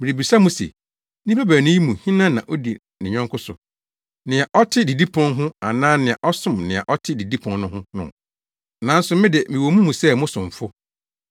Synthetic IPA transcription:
mɪ˨ɾi˨bi˨sa˦mũ˦sḛ˨ | nĩ˦pʰa˦bæ˨nʊ̃˦ji˦mũ˨hĩ˦nã˦nã̰˨ʔo˦di˨ | nɪ̃˨ɲᶣɔ̃˦ŋkʰʊ˦sʊ̰˨ | nɪ̃˨a˨ʔɔ˦tʰɪ˦di˨di˦pʰɔ̃˦nɦʊ̃˦a˨nãː˦nɪ̃˨a˨ʔɔ˦sʊ̃˦mnɪ̃˨a̰˨ʔɔ˦tʰɪ˦di˨di˦pʰɔ̃˨n˦nʊ̃˦hʊ̃˦nʊ̰̃˨ | nã˨˦n̩˦sʊ˨mɪ̃˦dɪ˨mɪ̃˨wo˨mũ˦mũ˨sɛ˦mʊ̃˦sʊ̃˨ɱ˨fʊ˦

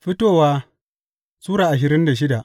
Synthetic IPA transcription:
ɸɪ˦toː˦˨waː˦ | suː˦ɾaː˨ʔa˨ʃ̬ɪ˨ɾɪ˦nda˨ʃ̬ɪ˦da˨ʔ

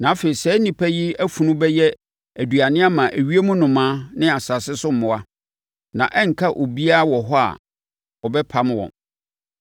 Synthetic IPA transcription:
nã˨a˦fe˨i˨sɛ˨˦nĩ˨pʰæ˦jɪ˦æ˦fũ˨nʊ̃˦bɛ˦jɛ˦ | æ˨du˨a˨nɪ̃˦a˦mã˨ʔæ˨ɥi˦e˦mũ˦nʊ̃˨mãː˦nɪ̃˦a˨sa˨sɪ˦sʊ˦m̩˨mʊ̃˨a˦ | nã̰˨ʔɛ˦ŋ̩˨kʰa˦ʔo˨bi˦a˦wɔ˨ɦɔ˦a̰˨ | ɔ˨bɛ˦pʰa˦m˦wɔ̰̃˨n

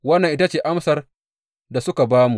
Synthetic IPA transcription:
wɐ˦nːɐ˨ŋʔɪ˦ta˦t͡ʃeː˨ʔa˦msɐ˨r | da˨sʊ˦ka˨baː˦mu˨

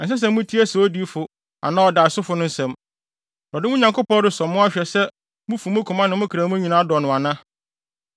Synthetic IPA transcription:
ɛ˨s̬ɛ˦s̬ɛ̃˦mʊ̃˦tʰi˦æ˦sɛ˨ɔ˦di˦fʊ˨ | a̰˨nã˦ɔ˨da˨sʊ˦fʊ˨˦nʊ̃˦n̩˦sɛ̃˨m | ɾɔ˨dɪ˦ʊ̃˦ɲã˨ŋkʊ˦pɔ̃˦ɾɪ˨˦sɔ˨mːʊ̃˦a˦ɕᶣɛ˨sɛ˦ | mʊ̃˦fu˨mʊ̃˦kʰʊ̃˨mã˦nɪ̃˨mʊ̃˦kʰɾa˨mʊ̃˦ɲĩ˨nã˦a˦dɔ˨nʊ̃˨a˨nã˦

